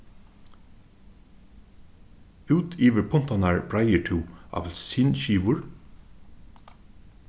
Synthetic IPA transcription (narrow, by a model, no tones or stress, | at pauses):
ʉːt̪ʰiːʋəɹpʰʊn̥t̪ɑnɑɹbɹɑɪəʈʰʉːɑ̰ʋlsɪnʃiːʋʊɹ